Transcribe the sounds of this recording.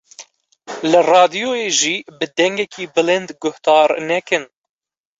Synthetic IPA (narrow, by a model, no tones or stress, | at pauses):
lɨrɑːd̪ijoːjeːʒiːbɨd̪ɛŋɡɛkʰiːbɨlɪnd̪ɡʊht̪ɑːɾnɛkɨn